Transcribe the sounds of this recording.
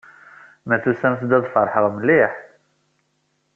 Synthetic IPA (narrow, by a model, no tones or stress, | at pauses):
mæθusæmθd̪æðˤfəɾˤħəʁˤməliħ